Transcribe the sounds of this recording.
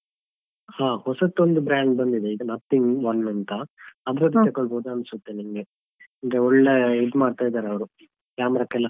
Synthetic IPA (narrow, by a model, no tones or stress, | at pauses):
haːhɔsɐt̪ːond̪ubɾaːɳɖ̚bɐnd̪id̪eiɡ̪ɐnɐt̪ʰːiŋɡʋɐnːɐnt̪ɐɐbɾɐd̪t͡ʃɐkoɭboːd̪uɐnsut̪ːenimɡe | ɐŋɡeɔɭːeiɖmaːɖt̪aːjid̪aːɾeɐʋɾu | kjaːmɾaːkɛlːɐ